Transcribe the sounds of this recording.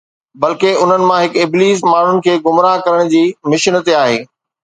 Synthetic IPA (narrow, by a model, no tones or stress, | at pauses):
bɐlkeʊn̤ənɪ̆mãɦɪkɪbliːs̬maːɳ̤ʊnɪ̆kʰeːɡʊmɾaːɦkɐɾəɽ̃d͡ʑiːmɪʃnət̪eaːɦḛː